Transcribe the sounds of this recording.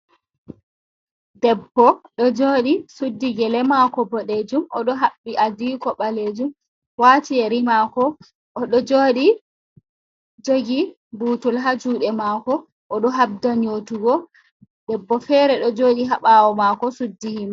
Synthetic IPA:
dɛbːɔɗɔd͡ʒoːɗisudːiɡɛlɛmakɔbɔɗed͡ʒumɔɗɔɦaɓːiʔadikɔɓaled͡ʒum | watieɾimakɔ | ʔɔɗɔd͡ʒoːɗi | d͡ʒoɡi | buːtulɦad͡ʒuɗɛmakɔ | ʔːɗɔɦab̚daɲotuɡɔ | dɛbːɔfɛɾɛɗɔd͡ʒoːɗiɦaɓawɔmakɔsudːihima

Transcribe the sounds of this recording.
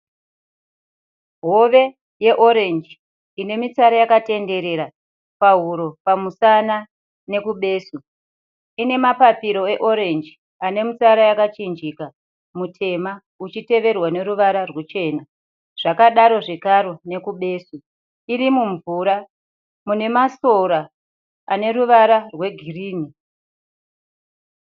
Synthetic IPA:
ɦo̞ʋe̞ | je̞ʔo̞ɾe̞nd͡ʒi | ine̞mit͡saɾajakate̞nde̞ɾe̞ɾa | paɦuɾo̞pamusana | ne̞kuɓe̞ːsu | ine̞mapapiɾo̞e̞ʔo̞ɾe̞nd͡ʒi | ane̞mut͡saɾajakat͡ʃind͡ʒika | mutʰe̞ma | ut͡ʃite̞ʋe̞rwane̞ɾuʋaɾarwet͡ʃe̞ːna | ʐ̥akaɗaɾo̞ʐekaɾo̞ne̞kuɓe̞ːsu | irimuɱvuɾa | mune̞maso̞ɾaː | ne̞ɾuʋaɾarwe̞ɡʱiriːni

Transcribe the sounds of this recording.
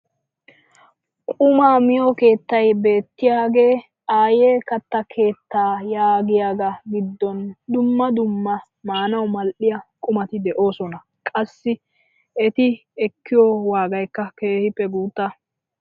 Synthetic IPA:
kʼʊmaːmɪjoːke̞ːt̪ːɐjbe̞ːt̪ːɪjaːɡe̞ː | aːje̞ːkɐt̪ːɐkʰe̞ːt̪ːaːjaːɡɪjaːɡɐɡɪd̪ːɔnd̪ʊmːɐd̪ʊmːɐ | maːnɐwmɐlʔɪjɐkʼʊmɐt̪ɪd̪ɛʔo̞ːsɔnɐ | kʼɐsːɪ | ɛt̪ɪɛkːɪjowaːɡɐjkːɐke̞ːhɪpːɛɡuːt̪ːɐ

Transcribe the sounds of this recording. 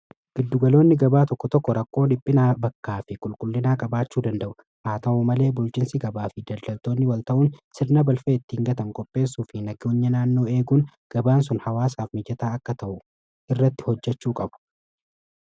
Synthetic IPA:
ɡ̥ɪd̪ːʊɡɐlo̞ːnːɪɡɐbaːt̪ɔkːɔt̪ɔkːɔɾɐkːo̞ːdɪpʼːɪnaːbɐkːaːfɪkʼʊlkʼʊlːɪnaːkʼɐbaːt͡ʃːuːd̪ɐnd̪ɐʔʊ | haːt̪ɐʔumɐle̞ːbʊlt͡ʃʼɪnsɪɡɐbaːfɪd̪ɐld̪ɐlt̪o̞ːnːɪwɐlt̪ɐʔʊːnsɪɾnɐbɐlfeːɪt̪ːiːŋɡɐt̪ɐŋkʼɔpʼːe̞ːsːuːfɪnɐɡɪʊɲːɐnaːnːo̞ːe̞ːɡuːn | ɡ̥ɐbaːnsʊnhɐwaːsaːfmɪd͡ʒɛt̪aːɐkːɐt̪ɐʔʊ | ʔɪrːɐt̪ːɪ̥hɔd͡ʒːɛt͡ʃːuːkʼɐbʊ̥

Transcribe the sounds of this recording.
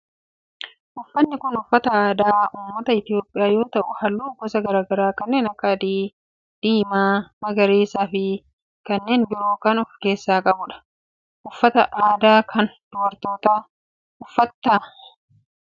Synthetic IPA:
ʔʊfːɐnːɪkʊnʊfːɐt̪ɐaːd̪aːʊmːɐt̪ɐɪt̪ɪo̞ːpʼɪjaːjo̞ːt̪ɐʔʊhɐlːuːɡɔsɐɡɐɾaːɡɐɾaːkɐnːe̞ːnɐkːɐd̪i | d̪̥iːmaːmɐɡɐɾeːsaːfɪ | kɐnːe̞ːnbɪɾoːkɐnɔfke̞ːsːaːkʼɐbʊᶑɐ̥ | ʔʊfːɐt̪ɐʔaːd̪aːkʰɐnd̪̥ʊwɐɾt̪o̞ːt̪aː | ʊfːɐt̪ːaː

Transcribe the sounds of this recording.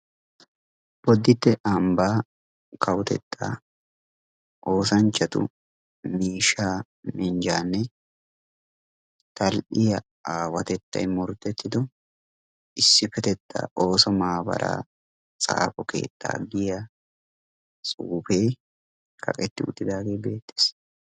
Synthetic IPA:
b̥ɔd̪ːɪt̪ːɛʔɐmbaː | kʰɐwt̪ɛ̰t̪ʰːa̰ː | ʔo̞ːsɐnt͡ʃːɐt̪ʊ̰ | miːʃaː | mɪnd͡ʒaːnːɛ | t̪ɐlʔɪjɐ | aːwɐt̪ɛt̪ːɐ̰jmɔɾt̪ːɛt̪ːɪd̪ɔ | ʔɪsːɪfɛt̪ɛt̪ʰːa̰ːʔo̞ːsɔmaːbɐ̰ɾʔa̰ː | t͡sʼa̰ːfɔkḛːt̪ʼːa̰ːɡɪjɐ | t͡sʼuːfej | kʰɐ̰kʼɛt̪ːɪʊ̰t̪ːɪd̪aːɡe̞ːbe̞ːt̪ːe̥s

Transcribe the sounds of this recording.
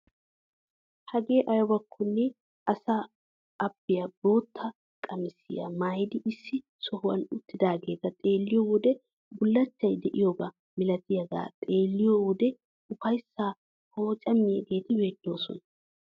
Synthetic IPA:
hɐɡe̞ːʔɐjwɐkʰːʊnːɛ | ʔɐsa | ɐb̥ɪjɐbo̞ːt̪ʰːɐ | kʼɐmɪsɪ̰jɐ̰maːjd̪ɪʔɪsːɪ | sɔhʊwɐ̰nʊt̪ːɪd̪aːɡeːt̪ɐt̪ʼe̞ːlːɪjowʊd̪ɛ | bʊlːɐt͡ʃːɐjd̪ɛʔɪjoːɡɐ | mɪlɐt̪ɪjɐɡa̰ːt̪ʼe̞ːlːɪjowʊd̪ɛ | ʊfɐjsːaː | ho̞ːt͡ʃʼɐmːɪjeɡe̞ːt̪ɪweːd̪̥ːo̞ːsɔ̰nɐ

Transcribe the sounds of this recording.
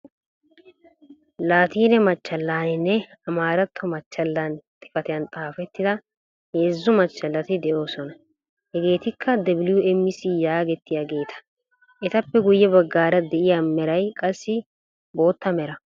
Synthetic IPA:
laːt̪iːnɛmɐt͡ʃːɐlːaːnɪnːɛɐmaːɾɐt̪ʰːɔmɐt͡ʃːɐlːaːnt̪ʰɪ̥fɐt̪ɪjɐnt̪ʼaːfɛt̪ːɪd̪ɐ | heːzːʊmɐt͡ʃːɐlːɐt̪ɪd̪ɛʔo̞ːsɔnɐ | hɛɡe̞ːt̪ɪkʰːɐd̪ɐbɪljʊɛmːɪsɪjaːɡɛt̪ːɪjaːɡe̞ːt̪ʰɐ̥ | ʔɛt̪ɐpːɛɡʊjːɛbɐɡːaːɾɐd̪ɛʔɪjamɛɾɐjkʼɐsːɪ | bo̞ːt̪ːɐmɛɾɐ

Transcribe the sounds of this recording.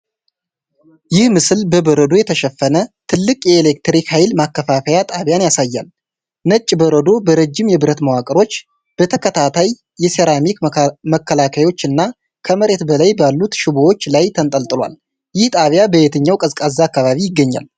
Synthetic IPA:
jɪhmɨsɨlbəbəɾəd̪o̞jɛt̪ʰəʃɛfːənət̪ʰɨlːɨkʼjɛːlek̚t̪ɾikhajlmakːəfafəjat̪ʼaβjanjasajːa̰l | nət͡ʃʼːbəɾəd̪o̞bəɾəd͡ʒːɪmjɛbɨɾət̪məwakʼɨɾo̞t͡ʃː | b̥ət̪ʰəkʰət̪ʰat̪ʰajː | ɛse̞ɾamikməkʰːəlakʰajo̞t͡ʃːɨnːa | kʰəməɾe̞t̪bəlajbalːut̪ʃɪbowo̞t͡ʃːlajt̪ʰənt̪ʼəlt̪ʼɨlwa̰l | jɪht̪ʼaβjabəjet̪ʰəɲːawkʼəzkʼazːaakːaβaβijɪɡːəɲːa̰l

